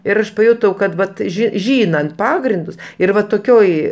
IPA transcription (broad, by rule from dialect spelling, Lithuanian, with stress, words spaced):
ɪr ˈɐʃ pɐˈjʊtɐʊ kɐt ˈʋɐt ˈʒʲiː ˈʒʲiːnɐnt ˈpɑːɡrʲɪndʊs ɪr ˈʋɐ toːˈkʲoːj